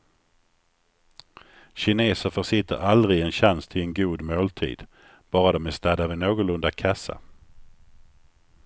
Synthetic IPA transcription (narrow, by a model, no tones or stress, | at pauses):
ɕɪneːsəɾfœʂɪt̪ːə̰ɾald̪ɾɪɡɛnɕanst̪ʰɪlɛnɡuːd̪moːlt̪ʰḭːd̪̥ | b̥ɑːɾad̪ɔmɛst̪æːd̪avɛnoːɡʊlɵnd̪akʰasːa̰